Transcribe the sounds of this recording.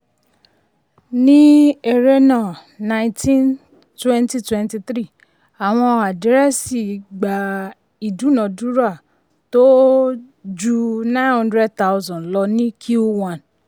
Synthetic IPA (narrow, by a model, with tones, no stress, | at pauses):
nĩ˦e˦˨ɾe˦nã˨ | nã˧ĩtʰĩ˦n | twɛ̃˦nti˧twɛ̃˦nti˧t̪ɾi˦˨ | a˨w̃ɔ̃˧a˨di˨˦ɾɛ˦si˦˨ɡ͡ba˨ | i˨dũ˨˦nɔ̃˨du˦ɾa˦˨ | to˦ | d͡ʒu˧nã˦nhɔ̃˦ndɾɛ˦d̚ta˦u˧zɔ̃˨lɔ˧nĩ˦kʰi˦wã˨n